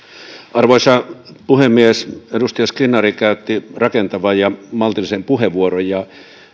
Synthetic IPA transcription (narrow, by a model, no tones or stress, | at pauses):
ʔɑrʋoisɑpuhemːiesedust̪ijɑskinːˑɑrikæˑyt̪ːirɑkent̪ɑʋɑjjɑmɑlt̪ilisempuheʋuorojjɑ